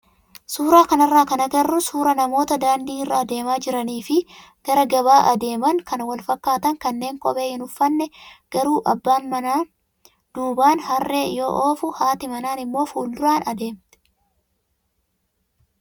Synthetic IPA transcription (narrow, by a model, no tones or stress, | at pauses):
suːɾaːkɐnɐrːaːkɐnɐɡɐrːʊsuːɾɐnɐmo̞ːt̪ɐd̪aːnd̪iːɪrːaːd̪e̞ːmaːd͡ʒɪɾɐniːfɪ | ɡ̥ɐɾɐɡɐbaːʔɐd̪e̞ːmɐŋkɐnwɐlfɐkːaːt̪ɐŋkɐnːe̞ːŋkʼɔbe̞ːɪnʊfːɐnːɛɡ̥ɐɾuːʔɐ̰bːaːnmɐnaː | d̪̥uːbaːnhɐrːeːjo̞̰ːʔo̞ːfʊhaːt̪ɪmɐnaːnɪmːo̞ːfuːld̪ʊɾaːnɐd̪e̞ːmt̪ɛ̥